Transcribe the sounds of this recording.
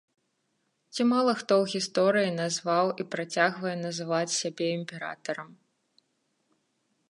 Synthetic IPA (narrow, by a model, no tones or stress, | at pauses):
t͡sʲimalˠɐxt̪ɔwɣʲist̪ɔɾɨjin̪azvawʔipɾat͡sʲaɣvɐjɛnɐzɨvat͡sʲsʲabʲɛimʲpʲɛɾa̰t̪ɐɾɐm